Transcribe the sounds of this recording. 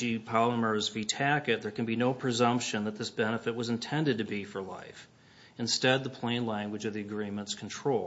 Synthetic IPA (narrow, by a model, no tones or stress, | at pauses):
ipʰɑlˠəmə˞zvitʰækɨt̪̚ðə˞kɨ̃n̩binoʊpʰɹ̥ɨzʌ̃mpʃɨ̃nðət̪̚ðɪsb̥ɛnəfɨt̚wʌzɨ̃ntʰɛ̃ndɨd̚tɨbifə˞la̰ɪf | ɨ̃nstɛd̪̚ðəpʰl̥ẽɪ̃nlæ̃ŋɡwəd͡ʒʌvðiɨɡɹĩmə̃ntskʰn̩tʰɹ̥oʊlˠ